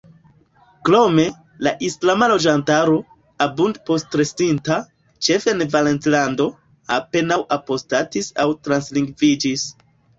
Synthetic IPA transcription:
klo̞me̞ | laʔislamalo̞d͡ʒantaɾo̞ | abundpo̞stɾe̞stinta | t͡ʃe̞fenevalentlando̞ | ape̞nawʔapo̞statisawtɾansliŋɡvid͡ʒis

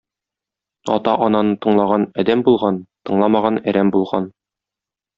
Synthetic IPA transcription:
ɒ̰t̪ɑʔɒnɑnɤt̪ɤ̆ɴlˠɑʁɑnɒd̪æmbulˠʁɑnt̪ɤ̆ɴlˠɑmɑʁɑnæɾæmbulˠʁɑn

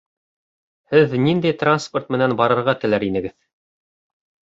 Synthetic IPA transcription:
hɘðnind̪æjt̪ransport̪mɘ̆nænbɑɾɤ̆ɾʁɑt̪ɘ̆læɾinɘ̆ɡɘð

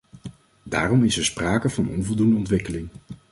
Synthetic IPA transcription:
da̰ːrɔmɪsɛɹspraːkəvɑnɔ̰nvɔlˠdundəɔntʋɪkəlɪŋ

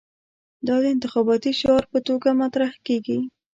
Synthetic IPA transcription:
d̪ɑd̪əɪnt̪ɪxɑbɑt̪iʃɑɾpət̪oɡamat̪ɾahkeɡi

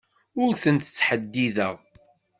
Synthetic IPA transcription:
ʊɾθənt̪t͡sːħəd̪ːiðəʁ

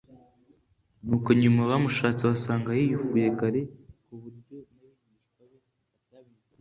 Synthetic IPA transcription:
nuːkoɲumaβamuʃaːt͡siβasaːŋɡajijufujeɡaɾekuβuɾɟonajiɲi | ao

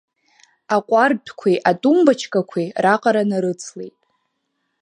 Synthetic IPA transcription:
aqʷʼardʰkʷʰiʔatʼumbat͡ʃʰkʼakʷʰiraqʼaɾanaɾɨt͡sʰlejtʼ

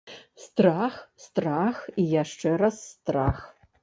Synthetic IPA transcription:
st̪raːxst̪raxijaʂʈ͡ʂɛrɐsːt̪ra̰ːx

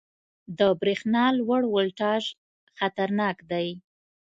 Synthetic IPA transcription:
d̪əbɾexnɑlwəɽwʊlʈɑʒ | xat̪aɾnɑkd̪aj

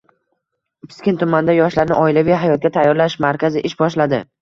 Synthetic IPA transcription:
pʰɪ̥skʲɪnt̪ʰʊmand̪ajɒʃlaɾnɪʔɒɪlavijɦajɒt̪̚ɡʲat̪ʰajːɒɾlaʃmaɾkʲazɪʔɪʃbɒʃlad̪ɪ

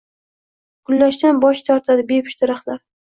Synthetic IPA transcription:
ɡ̥ʊlːaʃd̪anbɒʃt̪ʰaɾt̪ʰad̪ɪbepʰʊ̥ʃt̪ʰɪɾaχlaɾ

